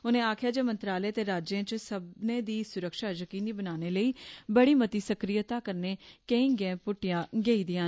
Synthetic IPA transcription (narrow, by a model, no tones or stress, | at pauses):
ʊnẽːaːkʰjaːd͡ʒeːmənt̪ɾaːleːt̪eːɾaːd͡ʒẽːt͡ʃsəbnẽːd̪iːsʊɾəkʃaːd͡ʒəkiːniːbənaːneːləiːbəɽiːmət̪iːsəkɾijət̪ãːkəɾneːkẽĩːɡẽːpʊʈːɪjãːɡeːiːd̪ɪjãː